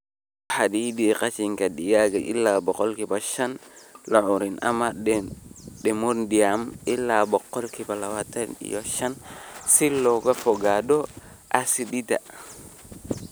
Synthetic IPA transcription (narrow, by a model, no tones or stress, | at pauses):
hadidikat͡ʃiŋkadiɡaɡaʔḭlːabɔkɔlkibaʃanlaʔuɾinʔa̰maɛɗɛmondiamilːabɔqːɔlkibalawatanḭjɔʃansilːɔɡafɔɡadɔ | ʔasidita̰